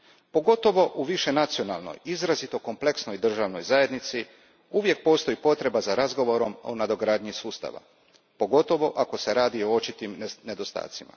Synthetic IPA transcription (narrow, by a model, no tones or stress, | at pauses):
po̞ɡo̞t̪o̞ʋo̞ʔuʋiʃe̞nat̪sio̞na̰lˠno̰jizɾazit̪o̞ko̞mple̞ksno̞jd̪r̩ʒaʋno̞jzaje̞d̪nit̪si | uʋje̞k̚po̞ːst̪o̞jipo̞t̪ɾe̞bazaɾazɡo̞ʋo̞ɾo̞mo̰nad̪o̞ɡɾaːd̪ɲisuːst̪a̰ʋa̰ | po̞ɡo̞t̪o̞ʋo̞ʔako̞se̞ɾaːd̪io̞ot͡ʃit̪imne̞d̪o̞st̪a̰ːt̪sima̰